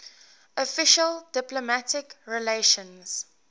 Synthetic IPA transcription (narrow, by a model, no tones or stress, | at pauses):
ʔɔfɪʃəldɪplomætɪkɹileʃə̃nz̥